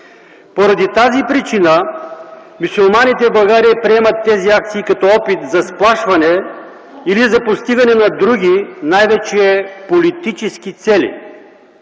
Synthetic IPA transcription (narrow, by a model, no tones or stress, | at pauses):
poɾɐd̪it̪azipɾit͡ʃinə | musulˠmanit̪ɛvblˠɐɡaɾiɐpɾiɛmɐt̪ːɛziak̚t̪siːkɐt̪ɔɔpit̪zɐsplˠaʃvɐnɛ | ilizɐpost̪iɡɐnɛnɐd̪ɾuɡʲinajvɛt͡ʃiɛpolit̪it͡ʃɛsk̟it̪sɛlḭ